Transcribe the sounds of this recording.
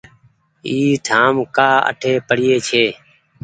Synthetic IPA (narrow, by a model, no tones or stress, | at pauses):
iːt̪ʰaːmkaːə̰ʈʰeːpəɽɪjeːt͡ʃʰeː